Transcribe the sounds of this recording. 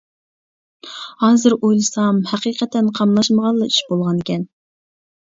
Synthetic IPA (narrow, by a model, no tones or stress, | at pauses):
hɑːzɨɾojlˠɨsɑmhæqiːqʰɛt̪ːɛnqʰɑmlˠɑʃməʁɑlˠːɑyʃbolˠʁɑnɪkʲɛn